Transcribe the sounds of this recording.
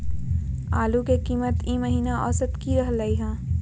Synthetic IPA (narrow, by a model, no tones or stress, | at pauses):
aːlukekiːmət̪ĩːməɦiːnaʔɔ̰ːsət̪kiɾɐɦləiɦɛ̃ː